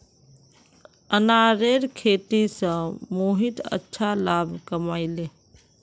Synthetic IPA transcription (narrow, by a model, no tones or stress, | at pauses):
ənaːɾeɾkʰeːt̪isə̃moɦit̪ə̰tːʃʰalaːbʱkəmaːileː